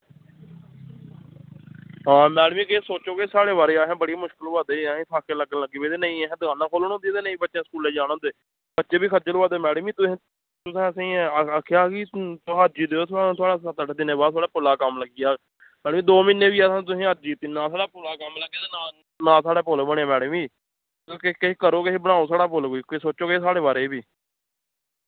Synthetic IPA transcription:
ɦãːmɛːɽmĩːkesoːt͡ʃoːkesaːɽeːʋaːɾeːaːɦẽːbəɽiaːmʊʃkəlːaːd̪eːɛɦẽːt̪ʰaːkːeləɡələɡiːbeːt̪eːnəĩːɛɦɛ̃ːd̪əɡaːnãːkʰoːləñõːnd̪iɛːt̪eːnəĩːbətːʃẽːsə̥kuːleːd͡ʒaːñõːnd̪eː | bətːʃẽːbiːkʰət̪̚d͡ʒəlːaːd̪eːmɛːɽmĩːt̪ʊsĩː | t̪ʊsẽːəsẽːəkʰːjaːkit̪ːɦəd͡ʒiːd̪eːoːt̪ʰʊãːt̪ʰʊaːɽaːsət̪əʈːd̪ɪneːbaːd̪t̪ʰwaːɽaːpʊlaːkəmləɡiːaː | mɛːɖmĩːd̪oːmɪnːẽːbiːɛːsãːt̪̬ʊsĩːɦəd͡ʒiːt̪ɪnːãːsaːɽaːpʊlaːkəmləɡeːt̪eːnaː | nãːsaːɽaːpoːlːbəɳːaːmɛːɽmiː | t̪ːkekeiːkəɾoːkeeːbəɽ̃aːõːsaːɽaːpoːlɡoːiːkːsoːt͡ʃːoːkeeːsaːɽeːbaːɾeːbiː

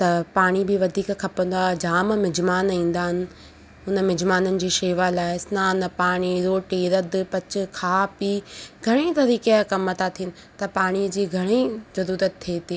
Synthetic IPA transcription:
t̪ɐpaːɽ̃ibɪʋɐd̪ʱiːkkʰɐpə̃nd̪aːd͡ʑaːmmɪd͡ʑmaːnĩːn̆d̪aːɦɪnɪ̆ | ʊnəmɪd͡ʑmaːnənɪ̆d͡ʑiːʃeːʋalaːɪsnaːnpaːɽ̃iɾoːʈiːɾəd̪pɐt͡ɕɪ̆kʰaːpiɡʱɐɽ̃it̪ɐɾiːkekɐmət̪at̪ʰinɪ̆ | t̪ɐpaːɽ̃id͡ʑiːɡʱɐɽ̃izɐɾuːɾət̪t̪ʰːeːt̪ʰiː

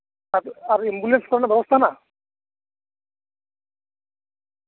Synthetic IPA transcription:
aaɾimbulenskɔɾanabɛbost̪ʰana

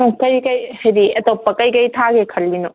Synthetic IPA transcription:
ukɐjkɐjhɐjdiɐtopːɐkɐjkɐjtʰaɡekʰɐlːino

